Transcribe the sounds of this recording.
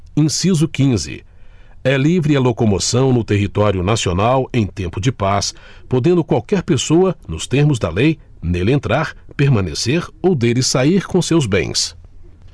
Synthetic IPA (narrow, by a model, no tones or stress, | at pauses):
ẽsizʊkĩzɪ̰ | ɛlivɾɪɐlokomosɐ̃w̃nʊt̪eɦit̪ɔɾjʊnasionawẽj̃t̪ẽmpʊd͡ʒɪpaspod̪ẽnd̪ʊkwawkɛɾpesoɐnʊst̪eɾmʊzd̪ɐlej | nelẽnt̪ɾaɾpeɾmɐ̃nḛseɾowd̪elɪsaiɾkõsewzbḛ̃j̃s